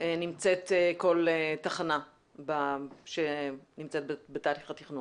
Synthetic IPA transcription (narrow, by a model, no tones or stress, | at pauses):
nimt͡se̞teko̞letaχana | baʃenimt͡set̚bebetaːliχat̪iχnun